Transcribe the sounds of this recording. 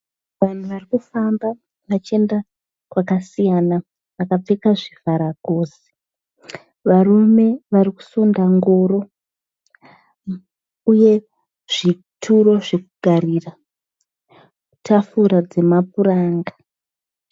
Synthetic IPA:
ʋan̤uʋarikufamba | ʋat͡ʃie̞nda | kwakasijana | ʋakap͡fekaʐivʱaɾaɡʱoːse̥ | ʋarume̞ʋaɾiku̥sundaŋɡoːɾo̞ | uje̞ | ʐ̥i | tʰuɾo̞ʐe̞kuɡʱaɾira | utʰafuɾad͡ze̞mapuɾaːŋɡa

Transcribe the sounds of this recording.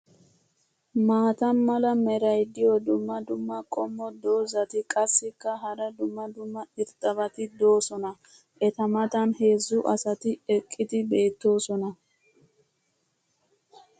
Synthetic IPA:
maːt̪ɐnmɐlɐmɛɾɐjd̪ɪjɔd̪ʊmːɐd̪ʊmːɐkʼɔmːɔd̪o̞ːzɐt̪ɪkʼɐsːɪkːɐɦɐɾɐd̪ʊmːɐd̪ʊmːɐɪɾt̪ʼɐbɐt̪ɪd̪o̞ːsɔnɐ | ʔɛt̪ɐmɐt̪ɐnhe̞ːzːʊʔɐsɐt̪ɪɛkʼːɪd̪ɪbe̞ːt̪ːo̞ːsɔnɐ

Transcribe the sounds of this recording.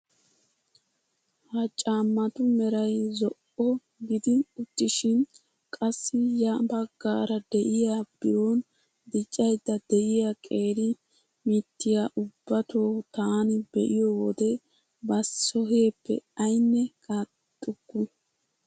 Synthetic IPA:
hɐt͡ʃʼaːmːɐt̪ʊmɛɾɐjzɔʔɔ | ɡɪd̪ɪʊt̪ːɪʃɪn | kʼɐsːɪjaːbɐɡːaːɾɐd̪ɛʔɪjab̥ɪɾoːn | d̪ɪt͡ʃʼːɐjd̪ːɐd̪ɛʔɪjakʼe̞ːɾɪ | mɪt̪ːɪjaʔʊbːɐt̪oːt̪aːnɪbɛʔɪjɔwɔd̪ɛ | bɐsɔhe̞ːpːɛ̰ɐjnːɛka | t̪ʼːʊkːʊ

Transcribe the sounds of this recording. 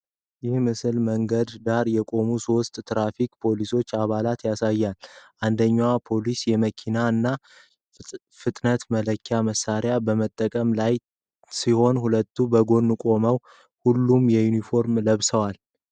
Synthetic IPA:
jɪhmɨsɨlməŋɡəd̪d̪aɾjɛkʼo̞musost̪ʼt̪ɾafikʼpʰo̞liso̞t͡ʃːaβalat̪jasajːalʔand̪əɲːwapʰo̞lisjɛməkʰinaɨnːa | fɨt̪ʼnət̪mələkʰːjaməsːaɾjabəmət̪ʼːəkʼəmlaj | siho̞nhulət̪ːubəɡo̞nːɨkʼo̞məw | hulːumjɛjunifo̞ɾmləβsəwal

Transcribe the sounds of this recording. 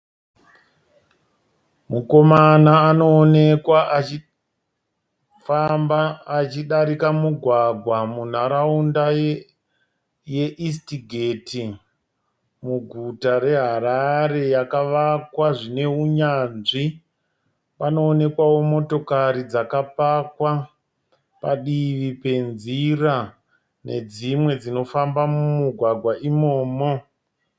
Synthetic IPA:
muko̞manaːno̞ːnekwai | fambaːt͡ʃiɗaɾikamuɡʱwaɡʱwamun̤aɾaunda | je̞ʔistiɡʱeti | muɡʱutare̞ɦaɾaɾe̞jakaʋakwaʐine̞uɲanʐi | pano̞ːne̞kwawo̞mo̞to̞kaɾid͡zakapakwa | paɗiʋipe̞nzira | ne̞̰d͡zimwe̞d͡zino̞fambamumuɡʱwaɡʱwaʔimo̞ːmo̞

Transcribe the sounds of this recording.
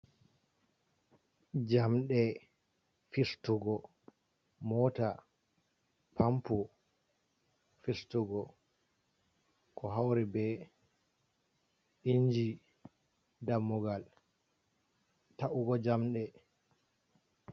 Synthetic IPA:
d͡ʒamɗɛ | fistuɡɔ | mɔta | pʰampu | fistuɡɔ | kʰɔɦawɾɛbɛ | ɗiɲd͡ʒi | damːuɡal | taʔuɡɔd͡ʒamɗɛ

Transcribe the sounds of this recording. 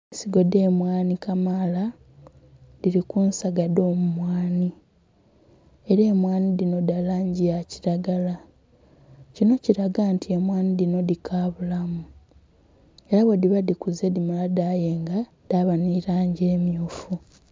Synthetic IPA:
siɡo̞de̞ːmwaːnikamala | diɾikuːnsaɡado̞ːmumwaːni | eɾeːmwaːnidino̞dalaːɲɟiaciɾaɡala | cino̞ciɾaɡantʰie̞mwaːnidino̞dikʰaːβulamu | eɾaβodiβadikuzedimaladajeːŋɡa | d̥aβaniɾaːɲɟeːmjoːfu

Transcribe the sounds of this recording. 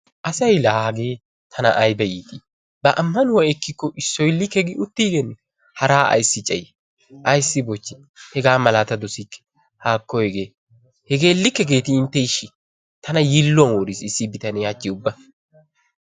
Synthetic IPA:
ʔɐsɐjlaːɡeː | t̪ʰɐnɐ̰ʔɐjbɛjiːt̪i | bɐʔɐmːɐnʊwɐɛkːɪkːɔʔɪsːɔjlːɪkːɛɡɪʔʊt̪ːiːɡɛn | hɐɾaːʔɐ̰jsːɪt͡ʃʼɛj | ʔɐjsːɪbɔt͡ʃːɪ | hɛɡaːmɐlaːt̪ɐd̪ɔsikːɛ̥ | haːkːɔhɛɡeː | hɛɡe̞ːlːɪkːɛɡe̞ːt̪ɪːnt̪ːɛɪʃːɪ | t̪ʰɐnɐjɪlːɔnwɔɾɪsɪsːɪbɪt̪ɐnɛjaːt͡ʃʼːɪʊbːɐ

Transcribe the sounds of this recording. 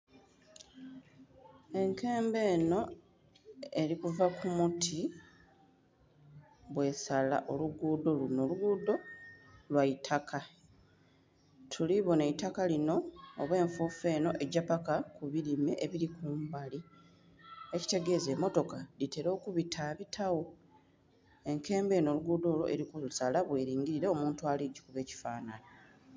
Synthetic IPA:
e̞ŋke̞ːmbe̞ːno̞ | e̞ɾikuvakumutʰi | βwe̞sala̰ʔo̞luɡuːdo̞luno̞luɡuːdo̞lwaitʰakʰa | tʰuliβo̞neitakalino̞ːβwe̞ːɱfuːfe̞ːno̞ʔe̞ɟapakakuβilimeʔeβiɾikumbali | e̞ci̥te̞ɡe̞ze̞mo̞to̞kalite̞ɾo̞ːkuβitʰaβitʰawo̞ | e̞ŋke̞ːmbe̞ːno̞ːluɡuːdo̞ːlo̰ʔeɾikuusalaβwe̞ːɾiːŋɡiɾiɾe̞o̞muːntualiɟi̥kuβe̞ːci̥faːnana

